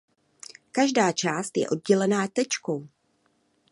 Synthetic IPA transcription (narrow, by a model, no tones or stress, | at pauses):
kaʒdaːt͡ʃaːst̪jɛ̰ʔo̞d̚ɟɛlɛnaːt̪ɛt͡ʃko̞w